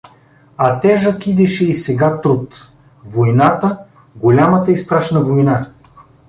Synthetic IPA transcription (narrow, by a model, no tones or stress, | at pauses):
ɐt̪ɛʒəkid̪ɛʃɛisɛɡat̪ɾut̪ | vojnat̪ə | ɡolʲamət̪əist̪ɾaʃnəvojna